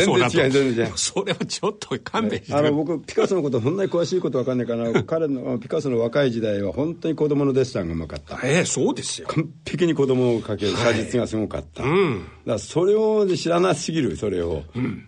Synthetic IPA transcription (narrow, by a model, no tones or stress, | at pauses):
zẽnzẽt͡ɕiãzenẽesoɾeβat͡ɕot̪ʰːokʰãmeanobo̞k̬ɯpʲi̥kasonoko̞t̪oɦõ̞nːaɲikɯ̟βaɕiːkot̪o̞βakanːaikanakaɾe̞noaopʲi̥kasonoβakaid͡ʑid̪aiβahõ̞nt̪o̞ɲ̟iko̞d̪o̞mo̞no̞d̪e̞sɨ̥ɾãŋɡamaka̰t̪ːa̰soːd̪esɨ̥jokʰãmpʰe̞k̬ʲiɲ̟iko̞d̪o̞mo̞ːkake̞ɾɯkad͡ʑit͡sɨɡasɨɡo̞ka̰t̪ʰːa̰d̪aso̞ɾe̞oɕiɾanasɨɡʲiɾɯ̟so̞ɾe̞o̞̰